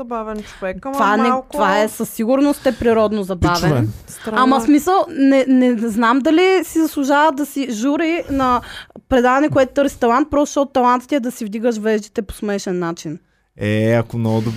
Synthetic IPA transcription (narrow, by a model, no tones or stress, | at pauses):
ɐbavɛnt͡ʃovɛkt̪ovanɛt̪ovaɛsəsːiɡʊɾnost̪ɛpɾiɾɔd̪nozɐbavɛnsamɐsmisəlˠnɛnɛznamd̪ɐlisizɐslˠuʒavəd̪ɐsiʒuɾinɐpɾɛd̪avɐnɛkoɛt̪ʊ̥t̪ɤɾsi̥t̪ɐlˠant̪̚pɾɔst̪oʃt̪ɔt̪ʊ̥t̪ːɐlˠant̪i̥t̪ɛɛd̪ɐsivd̪iɡəʃ̬vɛʒd̪it̪ɛpo̥smɛʃɛnːat͡ʃin | ɛɐkomnɔɡʊd̪ʊ